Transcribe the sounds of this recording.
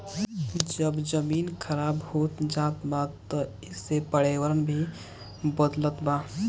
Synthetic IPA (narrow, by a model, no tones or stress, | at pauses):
d͡ʒəbd͡ʒəminkʰəɾabhot̪d͡ʒat̪batt̪ɔ | ɪsːepəɽewəɾənbʱi | bəd̪lət̪ba